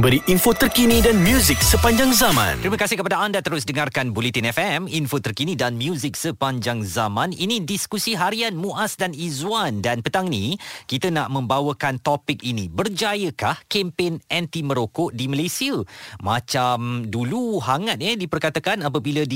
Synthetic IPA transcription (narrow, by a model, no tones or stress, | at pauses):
bəɾiʔinfot̪ərkinidanmjuzɪk̚səpaɲd͡ʒaŋzamã̰nt̪ɾiməkasɪhkəpadaandat̪əɾʊs̬dəŋarkanbulet̪inɛfɛminfot̪ərkinidanmjuzɪk̚səpaɲd͡ʒaŋzamãninĩdiskusiɦaɾianmũʔasdanizwandanpət̪aŋnikit̪ənaʔmə̃mbawəkant̪ɔpɪk̚inibərd͡ʒajəkahkempenɛnt̪iməɾokoʔdiməlesiəmat͡ʃamduluɦaŋat̪̚ɲədipərkat̪akanap̬əbiləd